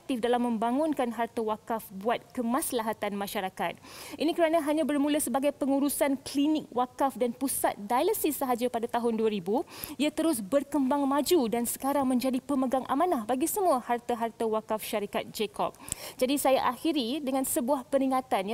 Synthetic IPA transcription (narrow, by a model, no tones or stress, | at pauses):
k̚t̪ɪfdalamːə̃mbaŋʊnkanɦart̪awakafbuat̪̚kəmãslaɦat̪anmãʃaɾakat̪̚ʔinĩkəɾanãɦaɲãbərmuləsəbaɡajpəŋuɾusanklinɪk̚wakafdanpusa̰t̪̚dajləsisəɦad͡ʒapadat̪aɦʊnduaɾibuiat̪əɾʊs̬bərkəmbaŋmad͡ʒudansə̥kaɾaŋmə̃ɲd͡ʒadipəməɡaŋʔa̰mãnahbaɡisəmuahart̪aɦart̪awakafʃaɾikat̪̚d͡ʒekɔ̰p̚d͡ʒadisajaʔaxiɾidəŋãnsəbuahpəɾiŋat̪an